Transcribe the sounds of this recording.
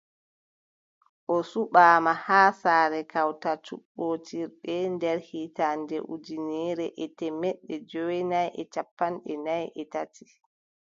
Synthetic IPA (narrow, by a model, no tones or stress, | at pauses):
ʔɔsuɓaːmahaːsaːɾɛkawtat͡ʃṵɓːoːtʰiɾɗɛndɛɾhiːtandɛʔud͡ʒinɛɾɛʔɛtɛmɛɗːɛd͡ʒowɛnajʔɛt͡ʃapːanɗɛnajʔɛtatʰi̥